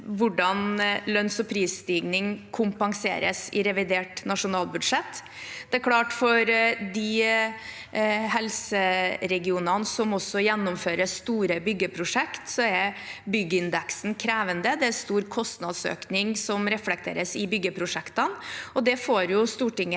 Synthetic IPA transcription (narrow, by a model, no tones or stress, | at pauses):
ʋʊɖɑnlœnsɔpʰɾiːsːt̪iːɡnɪŋkʰʊmpɑŋsḛːɾə̰sɪɾɛʋɪd̪eːʈnɑʂʊnɑːlbʉd̪ʂɛt̪ː | d̪̥ɛæɾkʰlɑːʈfɔɾd̪ɪ | hɛlsəɾɛɡɪuːnɑnsɔmɔsːɔjɛnːʊmføːɾəst̪uːɾəbʏɡːəpʰɾʊʂɛkt̪sɔɛɾbʏɡːəɪnd̪ɛksn̩kʰɾeːʋənd̪əd̪ɛæɾst̪uːɾkʰɔst̪nɑd̪sø̰ːknɪŋsɔmɾɛflɛk̚t̪ʰḛːɾəsɪbʏɡːəpʰɾʊʂɛkt̪ənɔd̪ɛfoːɾjʊst̪uːʈɪŋːə